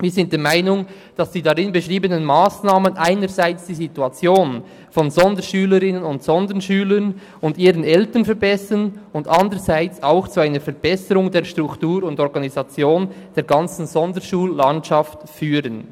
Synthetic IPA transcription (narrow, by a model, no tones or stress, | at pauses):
viːzɪnt̚d̥eːɐmaɪnʊŋ | d̥ɑsd̥iːdaʁɪnbeʃʁiːbənənmaːsnaːmənʔaɪnəɾzaɪt͡sd̥iːzituat͡sjoːn | fɔnzɔndəʃyːləɾɪnənʊntsɔndənʃyːlən | ʊndiːɾənɛltənfɛɾbɛsənʊndʔandəɾzaɪt͡saʊxt͡suaɪnəɾfɛɐɾb̥ɛsəɾʊŋdeːɐʃtʁ̥ʊktuːɾʊndɔɾɡɑnizɑt͡sjoːnd̥eːɾɡɑnt͡sn̩zɔndəʃuːlːantʃɑftfyːɾən